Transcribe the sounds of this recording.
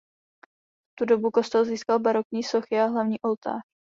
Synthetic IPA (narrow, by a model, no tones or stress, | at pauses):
t̪udo̞buko̞st̪ɛlziːskalbaɾo̞kɲiːso̞xɪaɦlavɲiːʔo̞lt̪a̰ːɾ